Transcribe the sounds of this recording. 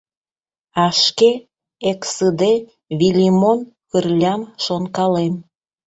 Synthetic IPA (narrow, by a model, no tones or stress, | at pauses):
ɑʃke | eksəd̪e | βilʲimonkərlʲɑmʃonkɑlem